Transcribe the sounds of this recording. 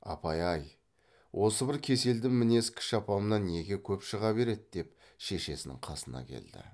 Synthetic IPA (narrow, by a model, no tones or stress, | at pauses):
ɑ̰pɑjɑj | wʔo̞səbɪɾkʲʰe̞se̞ld̪ɪmːɪne̞skʲʰɪ̥ʃɑpɑmənɑnːe̞ɡʲe̞kʲʰɵpʃəʁɑbe̞ɾe̞d̪̚d̪̥e̞p̚ | ʃe̞ʃe̞sɪnɪ̰ŋqʰɑsənɑ̰kʲʰe̞̰ld̪ɪ̰